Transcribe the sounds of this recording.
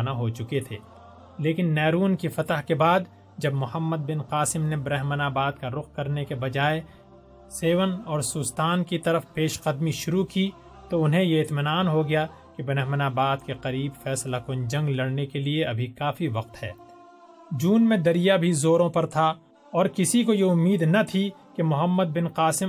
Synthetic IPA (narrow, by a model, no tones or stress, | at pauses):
naɦot͡ʃʊket̪ʰḛː | leːkɪnːɛːɾuːnkifɐt̪əɦkebaːd̪ | d͡ʒɐbmʊhəmːəd̪̚bɪnqaːsɪmnebɾɛɦmənaːbaːd̪̚kaɾʊqkɐɾnekebɐd͡ʒaːe | seːʋənɔːɾsʊst̪aːnkit̪ɐɾəfpeːʃqəd̪miʃʊɾuki | t̪oʊnɦẽjeɪt̪mɪnaːnɦoɡɐja | kebɾɛɦmənaːbaːd̪keqɐɾiːbfɛːslakʊnd͡ʒɐ̃ŋɡlɐɽnekelieɐbʱikaːfiʋɐq̚t̪hɛ̰ː | d͡ʒuːnmẽd̪ɐɾijabʱizoːɾõpɐɾt̪ʰa | ɔːɾkɪsikojeʊmːiːd̪nɐt̪ʰikemʊɦəmːəd̪̚bɪnqaːsɪ